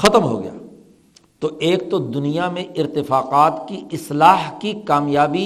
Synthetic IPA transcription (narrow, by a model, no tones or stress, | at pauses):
xɐt̪əmɦo̰ɡɐ̰ja̰ː | t̪oʔeːk̚t̪od̪ʊnijamẽʔɪɾt̪ɪfaːqaːt̪kiɪslaːɦkikaːmjaːbi